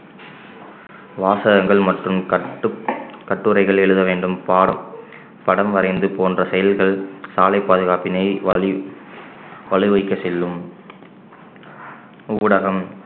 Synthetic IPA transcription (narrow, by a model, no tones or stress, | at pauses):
ʋaːsɐɣɐŋɡɐɭmɐʈrɯm | kɐʈːɯɾɐɪɣɐɭɛɻɯðɐʋeːɳɖɯmpːɐ | pɐɽɐmʋɐɾɐɪnd̪ɯpoːndrɐsɛjɐlɣɐɭsaːlɐɪpːaːðɯɣaːpɪnɐɪ | ʋɐɭɯʋɐɪkːɐt͡ʃːɛlːɯm | ʊːɽɐɣɐm